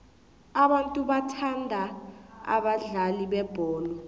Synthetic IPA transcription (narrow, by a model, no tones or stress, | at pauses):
aɓantʼuɓatʰandʱaa̰ɓaɮaliɓɛb̥ʱɔːlɔ